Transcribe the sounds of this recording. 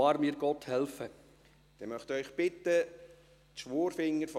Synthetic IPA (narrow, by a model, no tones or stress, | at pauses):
ɑːɾmiːɾɡ̥ɔthɛlfə | d̥ɛmœχtœʏχb̥ɪtːə | tʃʋoːɾfɪŋːəɾf